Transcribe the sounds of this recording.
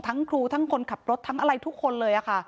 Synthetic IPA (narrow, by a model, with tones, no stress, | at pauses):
t̪ʰa˦˥ŋkʰɾuː˧t̪ʰa˦˥ŋkʰo˧nkʰa˨˩p̚ɾo˦˥t̪ʰːa˦˥ŋʔa˧ɾa˧jt̪ʰu˦˥kʰːo˧nlɤː˧jʔa˨˩kʰa˥˩